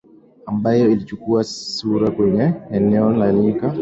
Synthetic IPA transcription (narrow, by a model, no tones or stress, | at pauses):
ambajɔilit͡ʃukuasuɾakwɛɲɛɛnɛɔlalika